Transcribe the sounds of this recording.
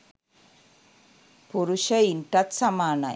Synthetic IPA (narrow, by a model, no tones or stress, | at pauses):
puɾuʂɐiɳʈɐt̪sɐmaːnɐ̰